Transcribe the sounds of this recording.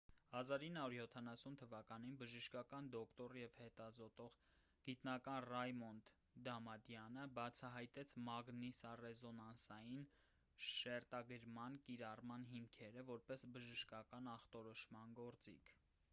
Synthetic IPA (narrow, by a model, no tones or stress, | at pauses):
hɑzɑɾinːhɑuɾjɔt̪ʰɑnɑsunt̪ʰəvɑkɑninbəʒəʃkɑkɑnd̪ɔkt̪ɔrjɛvhɛt̪ɑzɔt̪ɔʁ | ɡ̥it̪nɑkɑnrɑjmɔnd̪ | d̪ɑmɑd̪jɑnəbɑt͡sʰɑɦɑjt̪ɛt͡sʰmɑɡnisɑrɛzɔnɑnsɑjin | ʃɛɾt̪ɑɡəɾmɑnkiɾɑrmɑnɦimkʰɛɾəvɔɾpɛsbəʒəʃkɑkɑnɑχt̪ɔɾɔʃmɑnɡɔɾt͡sḭkʰ